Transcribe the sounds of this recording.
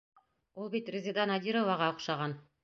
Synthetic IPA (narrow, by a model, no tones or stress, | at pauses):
ulˠbit̪rʲɪzʲɪd̪anɑd̪ʲiɾovɑʁɑŏqʃɑʁɑn